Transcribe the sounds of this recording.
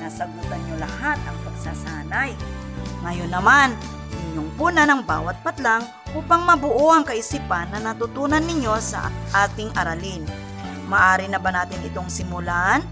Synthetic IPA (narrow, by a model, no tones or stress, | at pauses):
nasɐɡuːt̪ɐnɲolɐhat̪̚ɐŋpɐɡ̚saːsaːnaj | ŋɐjonːɐman | ʔɪɲːoŋbuːnɐnɐŋba̰ːwɐt̪̚pɐt̪laŋ | ʔuːpɐŋmɐbʊʔoʔɐŋkɐʔɪsiːpɐnːɐnɐt̪ʊt̪uːnɐnːɪɲo̞sɐ̰ʔʔaːt̪ɪŋʔɐɾalɪn | maʔaːɾɪnɐbanaːt̪ɪnʔɪt̪o̞ŋsɪmʊlaʔn